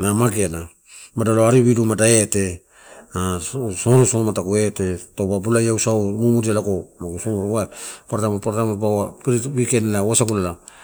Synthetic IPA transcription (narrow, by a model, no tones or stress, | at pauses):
namaɡeana | madaloaɾiβidumadaete̞ | asoɾusomatakuetetobabulajausawmumudialakomaɡusomaɾwatpaɾatamapaɾtamabawapiɾiwikenlawasakulala